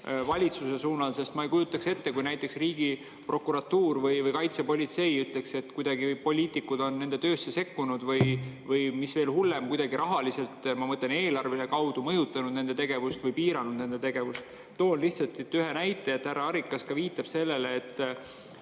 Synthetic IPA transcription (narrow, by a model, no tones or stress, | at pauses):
vɑlʲit̪suse̞suːnɑlse̞st̪mɑejkujut̪ːˑɑkse̞t̪ːe̞kujnæjt̪ːˑe̞ksriːɡ̥i | pro̞kːuɾɑt̪uːrvɯjvɯjkɑjt̪sepolʲit̪se̞jyt̪le̞kse̞t̪ːˑkujd̪ɑɡ̥ivjpo̞lʲiːt̪ˑikːud̪o̞nːe̞nd̪̥e̞t̪ø̞ːsːe̞se̞kːunud̪vɯjvɯjmisve̞ːlhulːe̞mkujd̪ɑɡiɾʔɑɦɑlise̞lt̪mɑmɤt̪ˑlene̞ːlɑrvilekɑwd̪umɤjut̪ːˑɑnud̪̥̚ne̞nd̪̥e̞t̪e̞ɡ̥e̞vust̪vɯjpiːɾɑnud̪̥̚ne̞nd̪e̞t̪e̞ɡ̥e̞vust̪ | t̪oːnliht̪sɑt̪sit̪ːyɦe̞næjt̪ːˑe̞jet̪ːhærɑɑɾikːˑɑskɑviːt̪ːˑɑb̥se̞lːeleːt̪ː